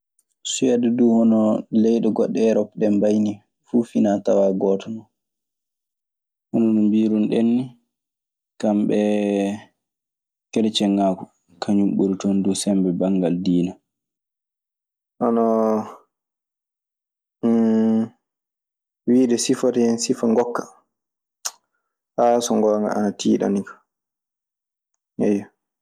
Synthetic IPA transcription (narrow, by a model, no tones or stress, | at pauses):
sujadɛduːhɔnɔlɛjɗɔɡɔɗːɛɾɔpɗɛmbajni | fuːfinatawaɡɔːtɔnɔ | hɔnɔnɔmbiːɾunɗenːi | kamɓɛ | kɛɗɛt͡ʃɛŋːaːkɔ | kʰaɲumɓuɾutɔndusɛmbɛbaŋɡaldiːna | ʔɔnɔ | wiːɗɛsifatɛɛnsifaŋɡɔkːḁ | hasɔŋɡɔːŋɡa̰ʔa̰natʰiːɗa̰nikḁ | ɛjɔ